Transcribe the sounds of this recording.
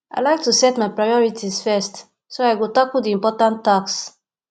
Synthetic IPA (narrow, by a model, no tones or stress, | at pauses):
ʔa̰jlajk̚tusɛtmajpɹajɔɹitʰiz̥fɛst | soajɡotakudiĩmpɔtãntːaks